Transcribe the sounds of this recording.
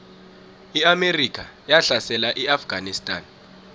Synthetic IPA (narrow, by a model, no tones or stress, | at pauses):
iamerikʰʼa | jaɬasɛlaʔiafɡ̥ʱanistʼaːn